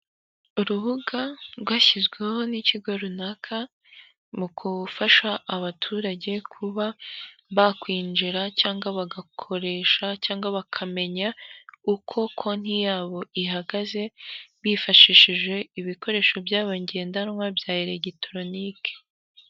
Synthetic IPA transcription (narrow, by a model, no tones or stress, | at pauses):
uɾuβuɡaɾɡwaːçizɡweho̞niciɡo̞ɾunakʰa | mukʰufaʃaʔːβatʰuːɾaɟe̞kʰuβaβakwiːnd͡ʒiɾacaːŋɡaβaɡakʰo̞ɾe̞ːʃacaːŋɡaβakʰame̞ɲaukʰo̞kʰon̥hijaːβo̞iɦaɡaze̞βifaʃiʃiʒwe̞iβiko̞ɾe̞ːʃo̞bjaːβaɲɟeeːndaɾmwabjaːjiɾeɟitɾo̞nike̥